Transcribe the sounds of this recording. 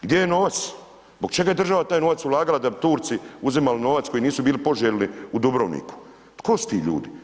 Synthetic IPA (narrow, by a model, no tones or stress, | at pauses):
ɡd̪jejeno̞ːʋat̪s | zbo̞ɡt͡ʃe̞ɡaje̞d̪r̩ʒaʋat̪aːjno̞ʋat̪sulˠaːɡalad̪abit̪uːɾt̪siuzimalino̞ʋat̪ko̞jiniːsubiːlipoʒelʲniud̪ubɾoʋnḭku̥ | t̪kʰo̞su̥t̪iːʎṵːd̪i